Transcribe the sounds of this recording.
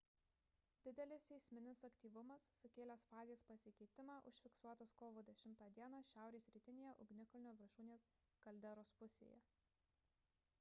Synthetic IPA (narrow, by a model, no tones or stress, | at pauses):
d̪ʲɪd̪ʲɛlʲɪsʲɛɪsʲmʲɪnʲɪsɐkt̪ʲiːʋʊmɐsːʊkʲeːlʲɛsfɑːzʲeːspɐsʲɪkʲɛɪt̪ʲɪmɑːʔʊʃʲfʲɪksuɔt̪oːskoːʋoːd̪ʲɛʃʲɪmt̪ɑːd̪ʲiɛnɑːʃʲæˑʊɾʲeːsɾʲiːt̪ʲɪnʲeːjɛʔʊɡnʲɪkɐlʲɪnʲoːʋʲɪɾʃuːnʲeːskɐlʲd̪ʲɛɾoːspʊsʲḛːjɛ̰